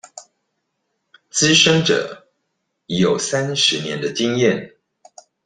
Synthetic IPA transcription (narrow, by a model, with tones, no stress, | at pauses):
t͡sɹ̩˦ʂə˥ŋʈ͡ʂɤ̰˨˩˦ | i˨˥jo˨˩ʊsa˦nʂɻ̩˨˦njɛ˨˦nd̪ə˧ti˥˧ŋjɛ˥˨n